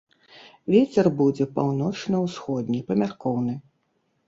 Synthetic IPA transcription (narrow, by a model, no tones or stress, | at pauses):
vʲet͡sʲɛrbud͡zʲɛpawnɔt͡ʂnɐwsxɔd̪ʲnʲipɐmʲarkɔwnɨ